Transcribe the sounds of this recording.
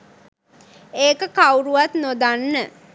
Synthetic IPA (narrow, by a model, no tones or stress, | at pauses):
eːkəkawuɾuʋat̪nod̪anːə